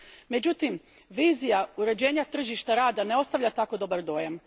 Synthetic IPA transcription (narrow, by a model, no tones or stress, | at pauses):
me̞d͡ʑut̪im | ʋiːzijauɾe̞d͡ʑe̞ːɲat̪r̩ʒiʃt̪aɾaːd̪ane̞o̞st̪aʋʎʲat̪ako̞d̪o̞baɾd̪o̞jam